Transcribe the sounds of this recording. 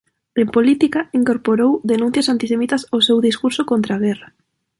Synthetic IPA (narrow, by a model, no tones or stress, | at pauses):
empolit̪ikaiŋkoɾpoɾowðenũn̟θjasant̪isemit̪asosewðiskuɾsokont̪ɾaɣera